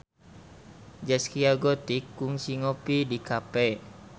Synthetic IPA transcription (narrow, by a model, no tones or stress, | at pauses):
d͡ʒɛskiaɡɔt̪ikːuŋsiŋɔpidikapɛ